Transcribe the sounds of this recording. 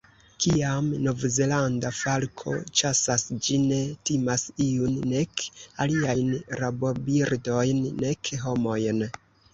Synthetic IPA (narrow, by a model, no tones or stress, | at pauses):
kiamnovzelandafalkʰo̞̰t͡ʃasasd͡ʒine̞timasiunːe̞kaliajnɾabo̞biɾdo̞jnːe̞kɦo̞mo̞jn